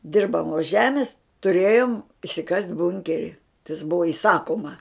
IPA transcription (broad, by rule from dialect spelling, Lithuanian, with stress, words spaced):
ˈdʲɪrbɐmoːs ˈʒʲæːmʲɪs tʊˈrʲeːjoːm ɪʃʲsʲɪˈkɐsʲtʲ ˈbʊŋʲkʲɛrʲɪ tɐs ˈbʊʋoː ɪˈsɑːkoːmɐ